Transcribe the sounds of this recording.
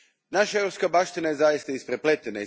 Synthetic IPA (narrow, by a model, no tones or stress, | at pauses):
naʃaeɾopskabaʃt̪inajezajist̪aispɾeplet̪ena